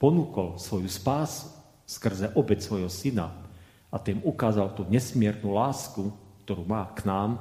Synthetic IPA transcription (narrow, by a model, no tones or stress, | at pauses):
pɔnuːkɔlsʋɔjuspaːsu̥ | skr̩zɛʔɔbɛcsʋɔjɦɔsina̰ | ʔat̪iːmukaːzalt̪uɲɛsmɪɛɾnulaːskukt̪ɔɾuːmaːknaːm